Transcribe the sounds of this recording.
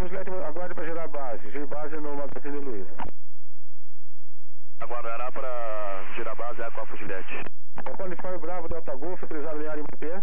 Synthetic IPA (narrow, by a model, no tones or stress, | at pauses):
fuʒilɛt͡ʃɪmaɡwaɾd̪ɐpɾɐʒeɾaɾbazɪʒeɾɪbazɪnʊmaɡazĩnɪluizɐ | aɡwaɾd̪aɾapɾɐ | ʒeɾabazɪɛkõɐfuʒilɛt͡ʃɪ̥ | ɛpɔ̃nɪffamɪbɾavʊd̪awt̪aɡofot̪olizad̪ʊẽaɾĩmɐp̪e